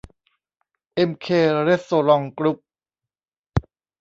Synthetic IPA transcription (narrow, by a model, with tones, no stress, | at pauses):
ʔe˧mkʰeː˧ɾe˦˥soː˧˩ɾɔ˧ŋkɾu˦˥p̚